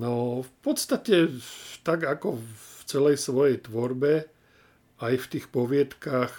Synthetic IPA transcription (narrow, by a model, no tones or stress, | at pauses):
nɔfpɔt̪st̪acɛt̪aɡakɔft͡sɛlɛjsʋɔjɛjt̪ʋɔɾbɛ | ajft̪iːxpɔʋɪɛt̪kax